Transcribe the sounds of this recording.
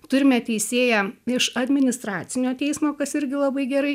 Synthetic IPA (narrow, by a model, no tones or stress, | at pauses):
t̪ʊɾʲɪmʲɛt̪ʲɛɪsʲeːjɛɪʃɐd̪ʲmʲɪnʲɪst̪ɾɑːt̪t͡s̪ʲɪnʲoːt̪ʲɛɪsmoːkɐsɪɾʲɡʲɪlˠɐbɐɪɡʲɛɾɐɪ